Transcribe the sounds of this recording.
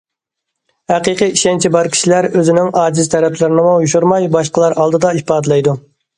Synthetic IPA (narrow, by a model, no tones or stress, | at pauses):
hæqɨqɨiʃɛnt͡ʃʰibɑɾkʲʰi̥ʃilæɾøzɪnɪŋɑːd͡ʒɪzt̪ʰɛɾɛpʰlɪɾɪnɨmujuʃuɾmɑjbɑʃqəlˠɑɾɑlˠd̪ɨd̪ɑipɑːd̪ɨlˠɑjd̪u